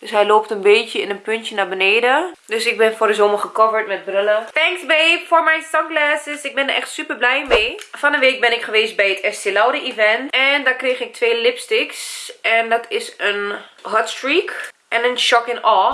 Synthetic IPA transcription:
døsɦɛjloːptənbeːtjəɪnənpʏntjənabəneːdədøsɪk̚bɛnfʊrdəzoməχəkɔvəɹtmɛt̚brʏlətɛŋksbejfʊːɹmɛjnsɔŋkɡlaːsəsɪk̚bɛndəɹʔɛχtsypəɹblɛjmeːfɔnənʋeːk̚bɪnɪkχəʋeːst̚bɛjətɛstɪlɔwdəivɛntɛndakreːχɪk̚tʰʋeːlɪpstɪksɛndɔtʰɪsənɦɔtstrɹik | ʔɛnənʃɔkɪŋɔː

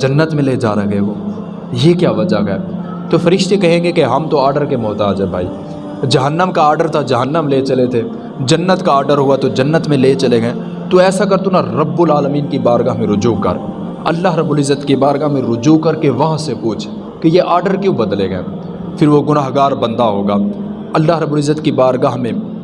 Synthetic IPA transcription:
d͡ʒɐnːət̪mẽled͡ʒa̰ːɾɐɡeɡoː | jekjaːʋɐd͡ʒaɡɐɛ̰ː | t̪ofɐɾɪʃt̪ikɐɦẽːɡekeɦɐmt̪oaːɾɖəɾkemʊɦt̪aːd͡ʒɦɛ̃bʱa̰ːḭː | d͡ʒɐɦənːəmkaːɾɖəɾt̪ʰad͡ʒɐɦənːəmlet͡ʃɐlet̪ʰe | d͡ʒɐnːət̪kaːɾɖəɾɦʊat̪od͡ʒɐnːət̪mẽleːt͡ʃɐleɡɐẽ | t̪oɛːsakɐɾt̪unaɾɐbːʊlaːləmiːnkibaːɾɡaːɦmẽɾʊd͡ʒuːkɐ̰ɾ | ɐ̰lːaɦɾɐbːʊːlɪzːət̪kibaːɾɡaɦmẽɾʊd͡ʒuːkɐɾkeʋɐɦãsepuːt͡ʃʰ | kejeʔaːɾɖəɾkjõːbɐd̪leɡɐ̰ː | fʰɪɾʋoɡʊnaːɦɡaːɾbɐ̃nd̪aɦoːɡaː | ɐlːaːɦɾəbːʊːlɪzːət̪kibaːɾɡaːɦmẽ

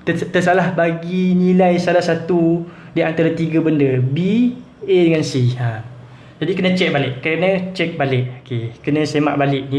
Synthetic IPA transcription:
t̪ət̪əsalahbaɡinilajsalahsat̪u | diant̪aɾat̪iɡəbəndəbi | edəŋansiam | d͡ʒadikənə̃t͡ʃɛk̚balɪʔkːaɾənə̃t͡ʃɛk̚balɪʔ̚okekənə̃sema̰ʔbalɪʔni

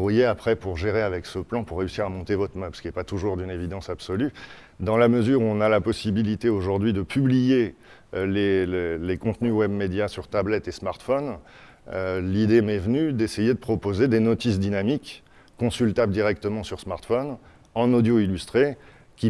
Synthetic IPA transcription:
ʁujeapχɛpuʁʒeʁeavɛksəplɑ̃puʁːeysiʁamɔ̃t̪evɔt̪χmɛ̃psə̥kiɛpat̪uʒuʁd̪ynevid̪ɑ̃sabsɔly | d̪ɑ̃laməzyʁuɔ̃nalapɔsibilit̪eoʒuʁd̪ɥid̪əpʰyblije | lelelekɔ̃t̪nywɛbmed̪jasyʁt̪ablɛt̪esmaʁt̪fɔn | ølid̪emɛvnyd̪esejed̪əpχɔpozed̪enɔt̪isd̪inamikː | ɔ̃sylt̪abld̪iʁɛk̚t̪əmɑ̃syʁsmaʁt̪fɔn | ɑ̃nod̪joilyst̪χe | kʲi

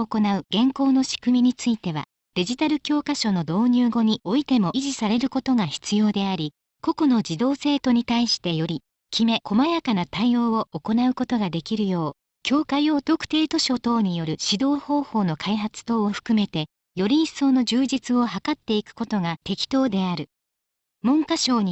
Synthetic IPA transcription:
oko̞naɯ̟ɡ̥ẽ̞ŋko̞ːno̞ɕi̥kɯ̟mʲiɲ̟it͡sɨit̪e̞βa̰ | d̪̥e̞ʑit̪aɾɯ̟kʲo̞ːkaɕo̞no̞d̪o̞ːɲ̟ɨːɡo̞ɲ̟io̞it̪e̞mo̞ʔiʑisaɾe̞ɾɯ̟ko̞t̪o̞ɡaçi̥t͡sɨjo̞ːd̪e̞aɾʲi | ko̞ko̞no̞d͡ʑid̪o̞ːse̞ːt̪o̞ɲ̟it̪aiɕi̥t̪e̞jo̞ɾʲi | kʲʰime̞kʰo̞majakanat̪aio̞ːooko̞naɯ̟ko̞t̪o̞ɡad̪e̞kʲiɾɯ̟jo̞ː | kʲo̞ːkaio̞t̪o̞kɯ̟̥t̪e̞ːt̪o̞ɕo̞t̪o̞ːɲ̟ijo̞ɾɯ̟ɕid̪o̞ːho̞ːho̞ːno̞kʰaiɦat͡sɨ̥t̪o̞ːoɸɯ̟̥kɯ̟me̞t̪e̞ | jo̞ɾʲiĩso̞ːno̞ʑɨːd͡ʑit͡sɨo̞ɦakat̪ːe̞ikɯ̟̥ko̞t̪o̞ŋat̪e̞kʲi̥t̪o̞ːd̪e̞aɾɯ̟ | mõ̞ŋkaɕo̞ːɲ̟i

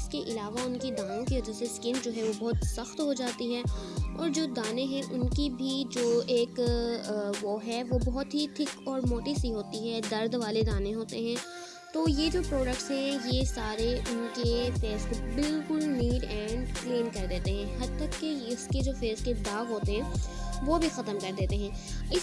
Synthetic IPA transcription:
ɪskeʔɪlaːʋaʊnkid̪aːnõkiʋɐd͡ʒaseskɪnd͡ʒoːɦɛʋobɔɦʊt̪sɐxt̪ɦod͡ʒaːt̪iɦɛːɔːɾd͡ʒoːd̪aːneɦɛ̃ʔʊnkibʱid͡ʒoːeːk | ʋoɦɛʋobɔɦʊt̪ɦiʈʰɪkɔːɾmoːʈisiɦoːt̪iɦɛd̪ɐɾd̪ʋaːled̪aːneɦoːt̪eɦɛ̃ː | t̪oːjed͡ʒoːpɾoːɖək̚ʈsɦɛ̃jesaːɾeʔʊnkefeːzkobɪlkʊlniːɖɛ̃ːɳɖkliːnkɐɾd̪eːt̪eɦɛ̃ɦɐd̪̚t̪ɐkːeʊsked͡ʒoːfeːzked̪aːɣɦoːt̪eɦɛ̃ːʋobʱixɐt̪əmkɐɾd̪eːt̪eɦɛ̃ːɪs

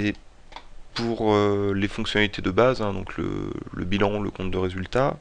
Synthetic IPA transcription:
e | puʁølefɔ̃ksjɔnalit̪ed̪əbazɛ̃d̪ɔ̃klə̰lə̰bilɑ̃ləkɔ̃t̪̚d̪əʁezylt̪a

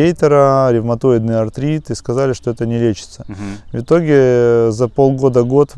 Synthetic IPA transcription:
ejt̪əɾəɾʲɪvmɐt̪o̞ɪd̪nɨjɐrt̪ɾʲit̪ɨskɐzalʲɪʂt̪o̞ɛt̪ənʲɪlʲet͡ɕɪ̥t̪səvʲɪt̪o̞ɡʲɪzɐpo̞lˠɡo̞d̪əɡo̞t̪

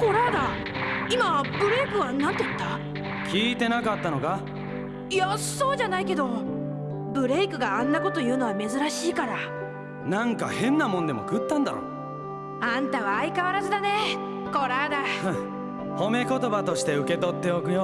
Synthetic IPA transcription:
ko̞ɾaːd̪a | imabɯ̟ɾe̞ikɯ̟βanːat̪ːet̪ːa | kʲiːt̪e̞nakat̪ːanoɡa | ijaso̞ːʑanaike̞d̪o̞ | bɯ̟ɾe̞ikɯ̟ɡaãnːako̞t̪o̞jɯ̟ːno̞βame̞zɨɾaɕiːkaɾa | nãŋka̰hẽ̞nːamõ̞nd̪e̞mo̞̰kɯ̟t̪ːãnd̪a̰ɾo̰ | ãnt̪aβaːikaβaɾazɨd̪ane̞ | ko̞ɾaːd̪a | ho̞me̞ko̞t̪o̞bat̪o̞ɕi̥t̪eɯ̟ke̞t̪o̞t̪ːe̞okɯ̟jo

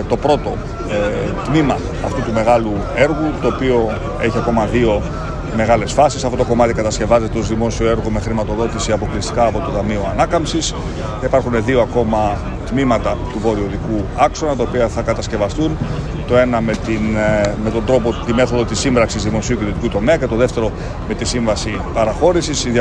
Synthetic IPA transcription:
t̪o̞pɾo̞t̪o̞ | t̪mimɐ | ɐft̪ut̪ume̞ɣɐlu | e̞ɾɣut̪o̞ːpio̞ | e̞çiɐko̞mɐðio̞ | me̞ɣɐle̞sfɐsisɐft̪ot̪oko̞mɐt̪ikɐt̪ɐsce̞vɐze̞t̪eo̞zðimo̞sio̞e̞ɾɣome̞xɾimɐt̪o̞ðo̞t̪isiɐpo̞klist̪i̥kɐːpo̞t̪o̞t̪ɐmio̞ɐnɐkɐmsis | ipɐɾxune̞ðioɐko̞mɐ | t̪mimɐt̪ɐt̪uvo̞ɾio̞ðikuɐkso̞nɐt̪ɐopiɐθɐkɐt̪ɐsce̞vɐst̪un | t̪o̞e̞nɐmet̪inme̞t̪o̞nd̪ɾo̞po̞t̪ime̞θo̞ðo̞t̪isimbɾɐksizðimo̞siuciðot̪ikut̪o̞me̞ɐce̞t̪o̞ðe̞ft̪e̞ɾo̞ | me̞t̪isiɱvɐsi | pɐɾɐxo̞ɾisisið

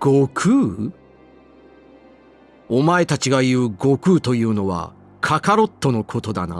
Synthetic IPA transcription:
ɡ̥okʰɯ̟ː | o̞mae̞t̪at͡ɕiɡajɯ̟ːɡo̞kɯ̟ːt̪o̞jɯ̟ːno̞βa̰ | kʰakaɾo̞t̪ːo̞no̞kʰo̞t̪o̞d̪ana̰

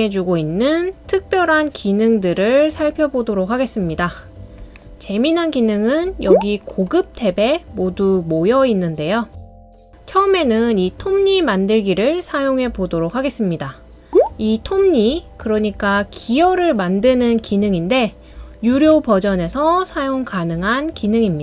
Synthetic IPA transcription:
ed͡ʑuɡoinːɯntʰɯk̚p͈jʌɾɦankinɯŋdɯɾɯɭsʰaɭpʰjʌbodoɾok̚haɡe̞s͈ɯmɲida | t͡ɕe̞minɦankinɯŋɯnjʌɡikoɡɯp̚tʰe̞be̞modumojʌinːɯnde̞jo | t͡ɕʰʌɯme̞nɯnitʰomɲimandɯɭɡiɾɯɭsʰajoŋɦe̞bodoɾok̚haɡe̞s͈ɯmɲida | itʰomɲikɯɾʌɲik͈akʰijʌɾɯɭmandɯnɯnkinɯŋinde̞ | juɾjopʌd͡ʑʌne̞sʰʌsʰajoŋkanɯŋɦankinɯŋimɲi

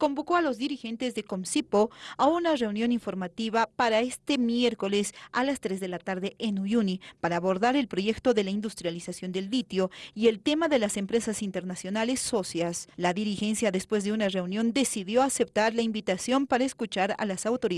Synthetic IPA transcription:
ko̞mbo̞ko̞alo̞zðiɾixe̞nt̪ezðe̞ko̞msipo̞aunare̞unjo̞niɱfo̞ɾmat̪iβapaɾae̞st̪e̞mjeɾko̞le̞salast̪ɾe̞zðe̞lat̪aɾðe̞ʔenujunipaɾaːβo̞ɾðaɾe̞lpɾo̞ʝe̞kt̪o̞ðe̞laind̪ust̪ɾjalisasjo̞nd̪e̞ld̪it̪jo̞ie̞lt̪e̞maðe̞lase̞mpɾe̞sasint̪e̞ɾnasjo̞nale̞sːo̞sjaslaðiɾixe̞nsjaðespwe̞zðe̞unare̞unjo̞nd̪e̞siðjo̞ase̞p̚t̪aɾlaimbit̪asjo̞mpaɾaeskut͡ʃaɾa̰lasawt̪o̞ɾi

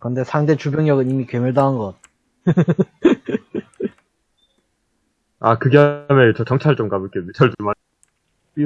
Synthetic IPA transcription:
kɯnde̞sʰaŋde̞t͡ɕubjʌŋjʌɡɯnimikemɯɭdaɯnɡʌt̚ | akɯɡeamet͡ɕʌt͡ɕʌŋt͡ɕʰaɭt͡ɕ͈omɡabɯk͈emjut͡ɕʰaɭt͡ɕoma

